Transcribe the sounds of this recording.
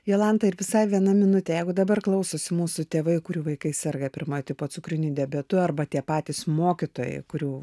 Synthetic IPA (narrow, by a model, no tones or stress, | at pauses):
joːlˠɐnt̪ɐɪɾʋʲɪsɑɪʋʲiɛnɐmʲɪnʊt̪ʲeːjɛɪɡʊd̪ɐbɐrklˠɐʊsoːsʲɪmuːsʊt̪ʲeːʋɐɪkʊɾʲuːʋɐɪkɐɪsʲɛrɡɐpʲɪɾmoːjt̪ʲɪpoːsʊkɾʲɪnʲud̪ʲɛbʲɛt̪ʊɐrbɐt̪ʲiɛpɑːt̪ʲiːsmoːkʲɪt̪oːjɛ̰ɪkʊɾʲuː